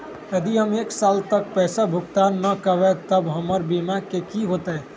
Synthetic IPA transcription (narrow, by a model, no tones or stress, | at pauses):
jəd̪iɦəmeːksalt̪ək̚pɛːsabʱʊkt̪anːəkəʋɛt̪əbɦəməɾbimakekiɦot̪ɛ